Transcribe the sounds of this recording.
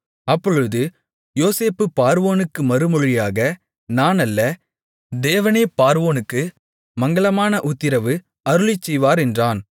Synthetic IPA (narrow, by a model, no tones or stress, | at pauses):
ɐpːɔɻɯðɯ | joːseːpːɯpːaːɾʋoːnɯkːɯmɐɾɯmɔɻɪjaːɣɐ | naːnɐlːɐ | d̪eːʋɐneːpaːɾʋoːnɯkːɯ | mɐŋɡɐɭɐmaːnɐʔʊt̪ːɪɾɐʋɯ | ɐɾɯɭɪt͡ʃːɛjʋaːɾɛndraːn